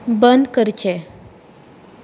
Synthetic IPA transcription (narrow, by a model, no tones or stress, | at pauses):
bənd̪kəɾt͡ɕɛ